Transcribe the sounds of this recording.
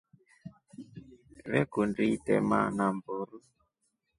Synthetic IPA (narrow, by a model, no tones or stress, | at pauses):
βɛkunditɛ̰ma̰namboɾu